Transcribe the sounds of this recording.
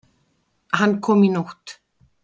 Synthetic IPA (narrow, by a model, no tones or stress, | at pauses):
hankʰɔminɔxt̪